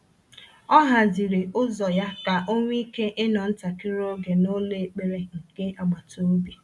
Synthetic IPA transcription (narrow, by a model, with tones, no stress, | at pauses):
ɔ˦ɦa˨di˨ɾe˨ʔʊ˦zɔ˨ja˦ka˨ʔo˦ŋʷ˦i˦ke˦ʔɪ˦nɔ˨n̩˦ta˨ki˦ɾo˦ɡe˨no˦le˦˨k͡pe˨ɾe˦ŋ̩˨ke˦ʔa˨ɡ͡ba˨to˦bi˦